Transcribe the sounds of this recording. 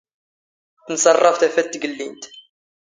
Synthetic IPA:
θənsɑrˤːɑft̪æfæt̪ːɡəlːint̪

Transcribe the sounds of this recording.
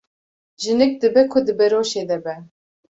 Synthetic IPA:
ʒɨnɨk̚d̪ɨbɛkʰʊd̪ɨbɛɾoːʃeːd̪ɛbɛ

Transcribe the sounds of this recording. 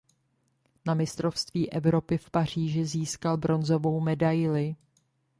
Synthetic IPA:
namɪst̪ɾo̞fst̪viːʔɛvɾo̞pɪfpar̝̥iːʒɪziːskalbɾo̞nzo̞vo̞wmɛdajlɪ

